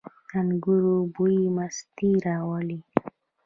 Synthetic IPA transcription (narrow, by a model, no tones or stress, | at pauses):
anɡuɾubuimast̪iɾawɔli